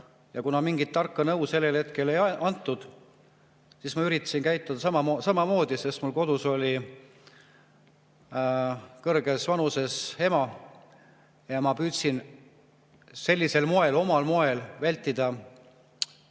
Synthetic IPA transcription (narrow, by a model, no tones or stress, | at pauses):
jɑkunɑmiŋɡit̪ːɑrkːɑnɤwse̞lːe̞lhe̞t̪̚ke̞le̞jɑnt̪ˑːud̪̥ | siːsmɑyɾit̪ːˑɑ̥sinkæjt̪ˑːod̪̥ɑsɑmɑmosɑmɑmo̞ːd̪̥ise̞smulko̞d̪̥uso̞lʲi | kɤrɡ̥e̞svɑnuse̞she̞mɑ | jɑmɑpyːt̪sin | se̞lʲːise̞lmo̞e̞lo̞mɑlmoe̞lvælʲt̪ːˑid̪̥ɑ